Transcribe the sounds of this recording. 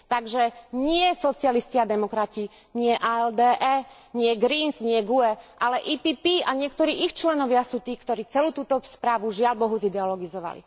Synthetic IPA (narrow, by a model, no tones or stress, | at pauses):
t̪aɡʒɛɲɪɛsɔt͡sɪalisciad̪ɛmɔkɾaci | ɲɪɛʔaɛld̪ɛːʔɛː | ɲɪɛɡɾinzɲɪɛɡuɛʔalɛʔiːpiːpiːaɲɪɛkt̪ɔɾiːʔixt͡ʃlɛnɔʋɪasuːt̪iːkt̪ɔɾiːt͡sɛluːt̪uːt̪ɔspɾaːʋuʒɪalbɔɦuzid̪ɛɔlɔɡizɔʋa̰lḭ